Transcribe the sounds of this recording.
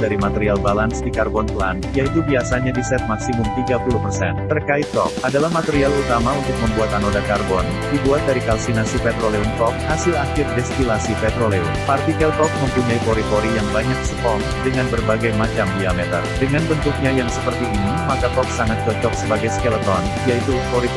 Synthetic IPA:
daɾimat̪ɛɾialbalansdikarbɔnplanjait̪ubiasaɲadisɛt̪̚maksimʊmt̪iɡapuluhpərsɛnt̪ərkaɪt̪ːɔ̰kʔadalahmat̪eɾialut̪amaunt̪ʊk̚məmbuat̪anodakarbɔn | d̥ibuat̪̚daɾikalsinasipɛt̪ɾolɛunt̪ɔk̚hasɪlakɪfdɛst̪ilasipɛt̪ɾolɛunpart̪ikɛlt̪ɔk̚məmpuɲajpoɾit̪oɾijaŋbaɲak̚sə̥pɔŋ | dəŋanbərbaɡajmat͡ʃamdiamɛt̪ə̰rdəŋanbənt̪uk̚ɲajaŋsəpərt̪iːnimakat̪ɔk̚saŋat̪̚t͡ʃɔt͡ʃɔksəbaɡajskɛlət̪ɔn | jait̪upoɾi

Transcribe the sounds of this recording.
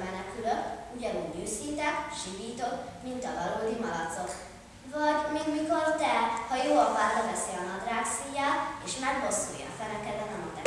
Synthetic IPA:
mɛnɛkyløkuɟɒnuɲyːshint̪ɛkʃiviːt̪o̞kmint̪ɒvɒloːd̪imɒlɒt̪so̞k | vɒɟmiɡmiko̞rt̪ɛhɒjoːɒpaːvɒvɛsiɒnɒd̪raːksiːjaleːʃmɛɡbo̞sːṵːjɒ̰fɛlɛkɛd̪ɛt̪ɛmɒt̪ɛ

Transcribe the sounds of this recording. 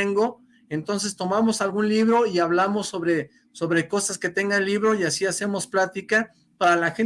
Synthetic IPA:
eŋɡo̞ | e̞nt̪o̞ns̬e̞st̪o̞mamosalɣunliβɾo̞iaβlamo̞sːo̞βɾe̞ | so̞βɾe̞ko̞saske̞t̪e̞ŋɡaelːiβɾo̞iasiase̞mo̞splat̪ika | paɾalaxen

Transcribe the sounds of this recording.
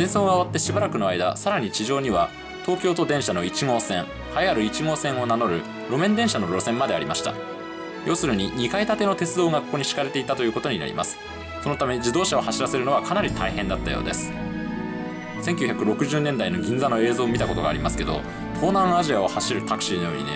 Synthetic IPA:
sẽɰsoːɡaːβ̞at̪ːe̞ɕibaɾakɯ̟no̞aid̪a̰saɾaɲ̟it͡ɕiʑo̞ːɲ̟iβa | t̪o̞ːkʲoːt̪o̞d̪ẽɰ̃ɕano̞it͡ɕiŋo̞ːsẽ̞ɴ | hajaɾɯ̟it͡ɕiŋo̞ːsẽ̞ɰ̃o̞nano̞ɾɯ̟ | ɾo̞mẽ̞nd̪ẽ̞ɰ̃ɕano̞ɾo̞sẽ̞mːad̪e̞aɾʲimaɕi̥t̪a̰ | jʔo̞ːsɨɾɯ̟ɲ̟iɲ̟ikait̪at̪e̞no̞t̪e̞t͡sɨd̪o̞ːɡakoko̞ɲ̟iɕi̥kaɾe̞t̪e̞it̪at̪o̞jɯ̟ːko̞t̪o̞ɲ̟ina̰ɾʲḭmʔa̰sɨ̥ | so̞no̞t̪ame̞d͡ʑid̪o̞ːɕao̞haɕiɾase̞ɾɯno̞β̞akanaɾʲit̪ʰaihẽ̞nd̪at̪ːajo̞̰ːd̪e̞̰sɨ̥ | seŋkʲɨçʲakɯ̟ɾo̞kɯ̟ʑɨːnẽnd̪aino̞ɡʲĩnd͡zano̞e̞ːzo̞ːmʲit̪ako̞t̪o̞ɡa̰ːɾʲimasɨ̥ke̞d̪o̞̰ | t̪ʰo̞ːnãɰ̃aʑiao̞haɕiɾɯ̟t̪akɯ̟̥ɕinojo̞̰ːɲ̟ḭd̪e

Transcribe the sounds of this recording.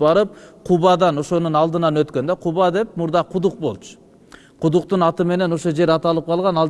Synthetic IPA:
bɑɾɯp̚qʰuβɑd̪ɑno̞ʃo̞nunɑlˠd̪ɯnɑnøt̪kønd̪eqʰuβɑd̪e̞p̚muɾd̪ɑqʰud̪uq̚bo̞̰lˠt͡ʃʰʊ̥ | qʰud̪uqt̪unɑt̪ɯme̞ne̞no̞ʃo̞d͡ʒe̞ɾɑt̪ɑlˠɯp̚qʰɑlˠʁɑnɑlˠ

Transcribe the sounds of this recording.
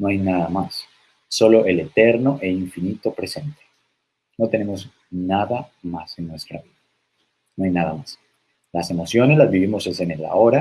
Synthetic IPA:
noajnaðamasː | o̞lo̞ʔe̞le̞t̪e̞ɾno̞ʔeiɱfinit̪o̞pɾe̞se̞nt̪e̥ | no̞t̪e̞ne̞mo̞z | naðamase̞nːwest̪ɾa̰βiða | noajnaðamas | lase̞mo̞sjo̞ne̞zlazβiβimo̞sesenela̰o̞ɾa

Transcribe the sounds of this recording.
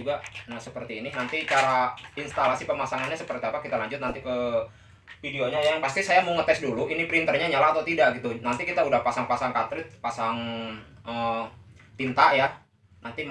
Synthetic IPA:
uɡanahsəpərt̪iːnɪnant̪it͡ʃaɾainst̪alasipəmasaŋanɲasəpərt̪iapakit̪alaɲd͡ʒʊt̪̚nant̪ikə | fideoɲajaŋpast̪isajamoŋət̪ɛsduluinipɾint̪ərɲaɲalaːt̪awt̪idaʔɡit̪unant̪ikit̪audahpasaŋpasaŋkat̪ɾɪt̪̚pasaŋʔə | t̪int̪aʔja | nant̪im

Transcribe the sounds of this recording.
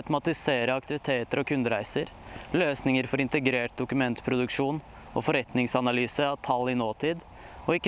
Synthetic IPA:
t̪mɑt̪ɪseːɾəɑkt̪ɪʋɪt̪ʰeːt̪əɾɔkʰʉnd̪əɾæɪsəɾløːsnɪŋəɾfɔɾɪnt̪əɡɾeːʈ̚d̪ʊkʉmɛnt̪pʰɾʊd̪ʉkʂuːn | ɔfɔɾɛt̪nɪŋsɑnɑlyːsəɑʋt̪ʰɑlːɪnoːt̪ʰiːd̪ | ɔɪkːə

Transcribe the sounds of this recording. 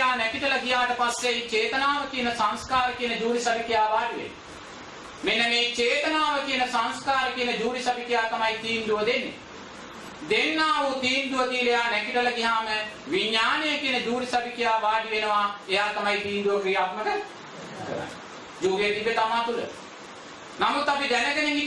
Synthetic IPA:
aːnɛkɪʈɐlɐɡijaːʈɐpɐsjeit͡ʃeːt̪ənaːʋɐkinɐsɐ̃nskaːɾkinɐd͡ʒuːɾisɐbʱikɪjaːbaːɖiʋḛːn | mɪnːɐmeit͡ʃeːt̪ənaːʋɐkinɐsɐnskaːɾkinɐd͡ʒuːɾisɐbʱikɪjaːkɐmait̪iːnd̪uʋɐd̪enːɪ̰ | d̪ɪnːãːuːt̪iːnd̪uɐt̪iːlejaːnɛkiʈɐlɐɡɪɦãːmɛʋiɲaːnekɪnɐd͡ʒuːɾisɐbʱikɪjaːbaːɖiʋenɐʋãːeaːkɐmait̪iːnd̪uɐkɾiːaːt̪mɐkɐɾ̰ | d͡ʒoːɡeːd̪ibet̪amãːt̪ulɛ̰ | nɐmut̪ɐbid̪ɛnɐkɐnẽŋɡi

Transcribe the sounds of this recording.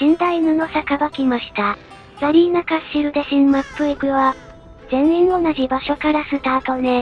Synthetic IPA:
ɕĩnt̪ainonosakabakʲimaɕi̥t̪a | saɾʲiːnakaɕiɾɯ̟d̪e̞ɕĩmmapɯikɯ̟βa | zẽ̞ɰ̃ĩɰ̃o̞naʑibaɕo̞kaɾasɨt̪aːt̪one

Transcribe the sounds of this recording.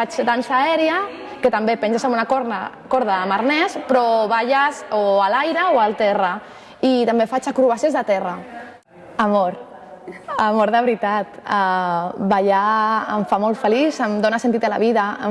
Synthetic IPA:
fat͡ʃd̪ansaɛɾja | kət̪ambepɛnsezamunakoɾnakoɾðaːmaɾnɛspɾɔβaʒazoalajɾəoalˠt̪ɛra | it̪ambefat͡ʃakɾuβasezðat̪ɛra | amoɾ | amoɾðəβɾit̪at̪abaʎaəɱfamolˠt̪fəlisəmd̪onasent̪it̪ala̰βiðaə̰

